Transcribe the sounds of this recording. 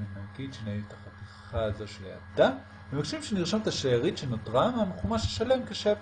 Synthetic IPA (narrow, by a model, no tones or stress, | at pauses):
emaɡid̪ʃenaivt̪ḁχat̪iχazo̞ʃelea̰d̪a | memakʃimʃeniʁʃamt̪aʃejaʁit̪ʃenot̪ʁamamχumaʃeʃale̞mkeʃev